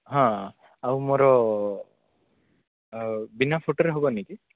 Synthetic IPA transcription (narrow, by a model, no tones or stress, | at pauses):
ɦã | awmoɾɔ | binapʰoʈoɾeɦobɔniki